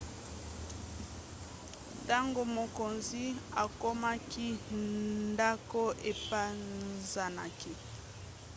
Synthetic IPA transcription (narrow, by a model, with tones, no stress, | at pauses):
ta˦ŋɡo˨mo˨ko˨nzi˦a˨ko˦ma˦ki˦nnda˦ko˦e˨pa˦za˨na̰˨ki˦